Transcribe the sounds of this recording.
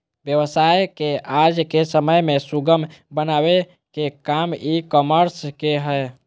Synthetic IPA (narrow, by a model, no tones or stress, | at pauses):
bjəʋəsajkead͡ʒkesəməjmesuɡəmbənawe | kekamikəməɾskeɦəj